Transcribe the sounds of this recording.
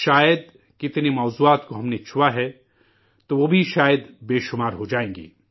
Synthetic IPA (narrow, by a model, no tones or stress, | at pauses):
ʃaːjəd̪ | kɪt̪nemɔːzuːaːt̪koɦɐmnet͡ʃʰʊʋaɦɛ | t̪oʋobʱiʃaːjəd̪beːʃʊmaːɾɦod͡ʒaːẽːŋɡḭː